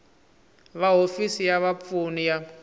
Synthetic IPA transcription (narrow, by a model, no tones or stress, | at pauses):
βaɦofisijaβap̪funija